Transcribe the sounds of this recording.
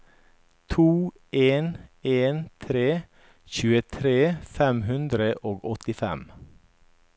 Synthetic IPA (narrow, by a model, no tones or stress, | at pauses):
t̪ʰuː | eːneːnt̪ʰɾeː | çʉːət̪ʰɾeːfɛmhʉnd̪ɾəʔoːɡɔt̪ɪfɛ̰m